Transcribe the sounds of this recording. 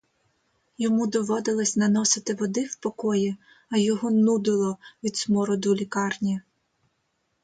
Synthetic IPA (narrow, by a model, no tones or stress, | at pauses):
jɔmud̪ɔʋɔd̪ɪlˠɐsʲnɐnɔsɪt̪ɪʋɔd̪ɪwpɔkɔji | ɐjɔɦɔnud̪ɪlˠɔʋʲid̪smɔɾɔd̪ʊlʲikɑrnʲi